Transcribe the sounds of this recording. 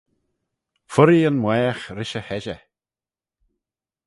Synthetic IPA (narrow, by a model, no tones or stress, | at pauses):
fʊɾiənmwɛːxɾɪʃəhɛʒə